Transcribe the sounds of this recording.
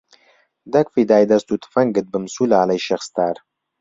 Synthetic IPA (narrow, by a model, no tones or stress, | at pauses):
d̪ɐkfid̪aːjd̪ɐst̪ut̪ʰɨ̥fɐŋɡɨt̪̚bɨmsuːlaːlɐjʃɐxst̪aːɾ